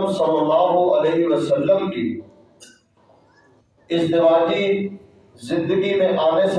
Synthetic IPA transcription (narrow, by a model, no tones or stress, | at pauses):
msɐ̃lɐlaːɦoʔɐleɦɪʋəsəlːəmkiː | ɪzd̪ɪʋaːd͡ʒi | zɪ̃nd̪əɡimẽʔaːʋes